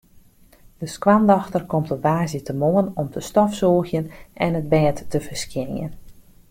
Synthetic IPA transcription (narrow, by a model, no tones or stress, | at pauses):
d̥əskwandɔxtərkɔmtəʋaːzjətəmoənɔmtʰəstɔfsɔːxjənɛnət̚bɛːtːəvərskjɪnjə̰n